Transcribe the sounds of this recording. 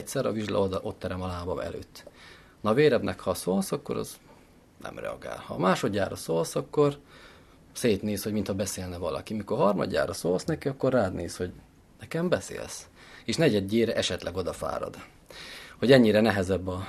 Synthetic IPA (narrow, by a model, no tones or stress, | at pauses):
csɛɾɒ̰viʒl̰ʔo̞t̪ːɛɾɛmɒlaːbɒmɛ̰lø̰ːt̪ː | nɒveːɾɛbnʔɛkhɒsoːlsɒkːo̞̰ɾɒ̰z | nɛ̰mrɛ̰ɒ̰ɡa̰ːlhɒ̰maːʃo̞d̪ja̰ːrɒsoːlsɒkːo̞r | seːt̪neːsho̞ɟmint̪hɒbɛseːlnɛvɒlɒ̰kimikorɦɒrmɒ̰d̪ja̰ːrɒsoːlsnɛkiɒkːo̞rraːd̪neːsho̞ɟ | nɛkɛmbɛsḛːls | eːʃnɛɟɛd̪ːeːɾɛʔɛʃɛt̪lʔɛɡo̞d̪ɒfa̰ːɾɒ̰d̪ | ho̞ɟɛɲːiɾɛnɛɦɛzɛbːɒ